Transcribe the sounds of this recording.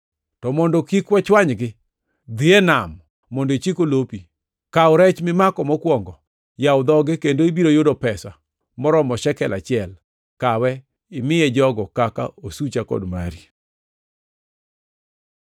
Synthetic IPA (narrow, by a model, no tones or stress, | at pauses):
tɔmɔndɔkikwɛt͡ʃwaɲɡɪ | d̪ienamː | ɔndoit͡ʃikolopi | kaɔɾɛt͡ʃmɪmakɔmɔkwɔŋɡɔ | jawd̪ɔɡɪkendoibiɾojodɔpɛsa | mɔɾɔmɔʃɛkɛlat͡ʃɪɛl | kawɛ | ɪmɪjɛd͡ʒɔɡɔkaka̰osut͡ʃakɔ̰dma̰ɾi